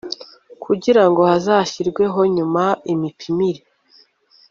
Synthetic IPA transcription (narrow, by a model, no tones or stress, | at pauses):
kʰuɟiɾaŋɡo̞hazaːçiɾɡwe̞ɦo̞ɲumaimipʰimiɾe